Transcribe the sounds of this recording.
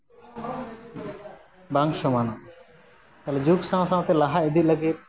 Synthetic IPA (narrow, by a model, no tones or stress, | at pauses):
baŋʃɔmanaʔ | t̪alɛd͡ʒuksãw̃sãw̃t̪ɛlaɦaɛd̪it̪̚ləɡit̪̚